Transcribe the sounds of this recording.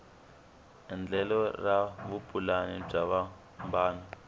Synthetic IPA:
nd͡ɮɛlɔraβupʼulanib͡ʐaβa | mbaːnɔ

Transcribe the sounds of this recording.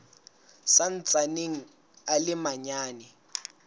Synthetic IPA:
san̩t͡sʼaneŋ̩ | alɪmaɲaːnɛ

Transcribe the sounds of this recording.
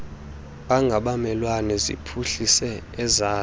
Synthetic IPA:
ɓaŋɡʱaɓamɛlwanɛzḭpʰuɬisɛːzaː

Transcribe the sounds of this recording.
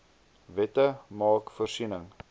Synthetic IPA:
vɛtəmɑːkfərsinəŋ

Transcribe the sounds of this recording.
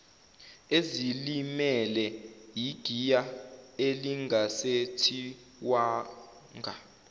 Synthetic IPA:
ezilimɛlɛjiɡ̥ʱijaeliŋasetʰi | waː | ŋɡʱa

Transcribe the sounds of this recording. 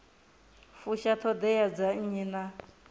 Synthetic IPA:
fuʃat̪ʰɔd̪ɛjad͡zaɲina

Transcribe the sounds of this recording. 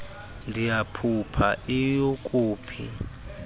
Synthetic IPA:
ndʱijapʰupʰa̰ʔijokʼuːpʰḭ

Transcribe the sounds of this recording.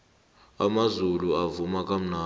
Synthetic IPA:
amazuluavumak̬ʼam̩naː

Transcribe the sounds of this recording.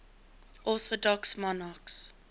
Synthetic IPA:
ʔɔθɔdɔksmɔnaks

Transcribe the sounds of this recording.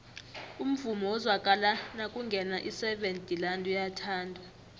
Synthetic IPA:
um̩vumɔwɔzwakʼalanakʼuŋɡʱɛnaʔisɛɓentʼilandʱujatʰaːndʱa

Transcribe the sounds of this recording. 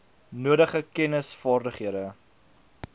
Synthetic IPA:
nuəɾəχəkɛnəsfɑːrdəχɦiəɾə

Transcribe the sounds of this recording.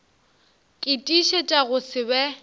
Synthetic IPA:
kʼɪtʼiʃɛt͡ʃʼaɣʊsɪbɛ

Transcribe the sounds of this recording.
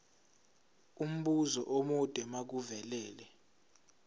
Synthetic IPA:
um̩ɓuzɔ̰ʔomɔd̥ʼʱɛmak̬uvɛlɛːlɛ

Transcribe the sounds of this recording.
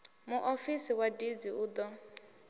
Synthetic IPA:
muʔofisiwadid͡ziuːd̪ɔ

